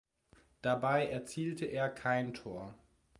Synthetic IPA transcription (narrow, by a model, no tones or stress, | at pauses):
d̥abaɪɛɐt͡siːltʰəʔeːɐkʰaɪntʰoːɐ